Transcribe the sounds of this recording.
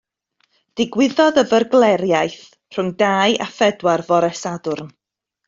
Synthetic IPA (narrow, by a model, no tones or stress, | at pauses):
d̥ɪɡwɪðɔðəvərɡlˠɛɾjajθ | r̥ʊŋdaːjʔa̰fɛdwarvɔɾɛsadʊrn